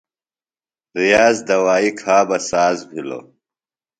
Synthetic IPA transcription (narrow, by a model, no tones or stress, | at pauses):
ɾijaːzd̪ɐwaːikʰaːbɐsaːzbʱilo̰ː